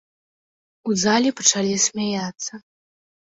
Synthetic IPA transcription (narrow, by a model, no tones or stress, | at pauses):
uzalʲipɐt͡ʂalʲisʲmʲajat̪sːɐ